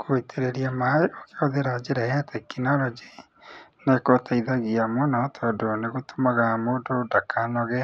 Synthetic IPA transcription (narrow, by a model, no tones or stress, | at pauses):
kʰoitʰeɾeɾiamaokeɔðeɾaod͡ʒeɾaɛatʰekinɔɾɔd͡ʒi | nekotʰaiðaɣiamɔnɔtʰɔdoneɣotʰomaɣamoːdodakʰanɔɣɛa